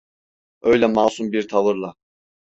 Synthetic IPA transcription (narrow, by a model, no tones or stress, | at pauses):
ø̞jlʲɛmaːsumbiɾt̪ʰavɯɾlˠa